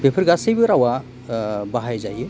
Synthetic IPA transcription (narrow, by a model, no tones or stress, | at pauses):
bepʰɯɾɡasɯjbɯɾawa | baɦajzajɯ